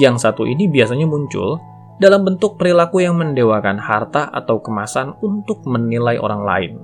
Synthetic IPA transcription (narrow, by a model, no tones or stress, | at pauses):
jaŋsat̪uʔḭnibiasaɲamuɲt͡ʃʊ̰l | dalambənt̪ʊk̚pəɾilakujaŋməndewakanhart̪aʔa̰t̪awkəmasanunt̪ʊk̚mənilajʔo̰ɾaŋla̰ɪ̰n